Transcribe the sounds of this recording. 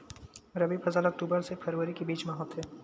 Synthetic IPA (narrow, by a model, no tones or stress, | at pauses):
ɾɐbibʰɐzaːlɐk̚ʈuːbəɾsepʰɐɾwəɾikibiːt͡ʃmaːɦət̪ʰɦɛː